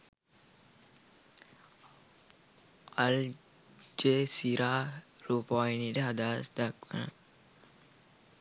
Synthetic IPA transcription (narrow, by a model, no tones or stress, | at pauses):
al | d͡ʒesiɾa | ɾuːpajnideɦad̪aːsd̪ak̚ʋə̰nə̰